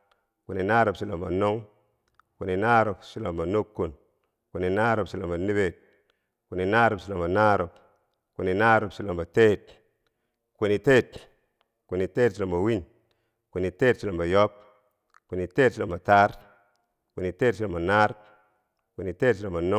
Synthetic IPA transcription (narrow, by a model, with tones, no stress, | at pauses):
ku˨ni˨na˦ɾo˨psi˨lo˨mba˨no˦ŋ | ku˨ni˨na˦ɾo˨psi˦lo˨mba˨no˦kːu˨n | ku˨ni˨na˦ɾo˨psi˨lo˨ba˨ni˦be˨t̚ | ku˨ni˨na˦ɾo˨psi˨lo˨mba˨na˦ɾo˨p | ku˨ni˨na˦ɾo˨psi˨lo˨mba˨te˦˨t̚ | ku˨ni˨te˦˨t̚ | ku˨ni˨te˦tsi˨lo˨mba˨wi˦ɲ | ku˨ni˨te˦tsi˨lo˨mba˨jo˦p̚ | ku˨ni˨te˦tsi˨lo˨mba˨ta˦ɾ | ku˨ni˨teː˦tsi˨lo˨mba˨na˦ɾ | ku˨ni˨te˦tsi˨lo˨mba˨no˦